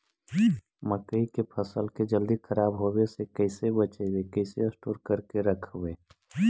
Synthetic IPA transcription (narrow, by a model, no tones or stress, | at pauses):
məkəikepʰəsəlked͡ʒəld̪ikʰəɾaːbɦobesekəɪsebət͡ʃeɡekəɪseəsʈoːɾkəɾkeɾəkʰʋeː